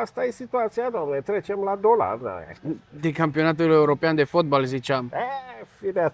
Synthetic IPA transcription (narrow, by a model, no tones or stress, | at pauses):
ast̪ajesit̪uat̪sijad̪amnet̪ɾet͡ʃemlad̪ola̰rd̪a̰ḛd̪ekampio̞nat̪̬uleuɾo̞peand̪e̞fot̪̚bolzit͡ʃamefid̪a